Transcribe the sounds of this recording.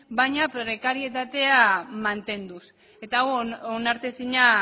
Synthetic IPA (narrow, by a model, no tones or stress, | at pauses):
bajɲapɾɾe̞kaɾie̞t̪at̪e̞amant̪e̞nd̪us | e̞t̪aɣoonaɾt̪esiɲa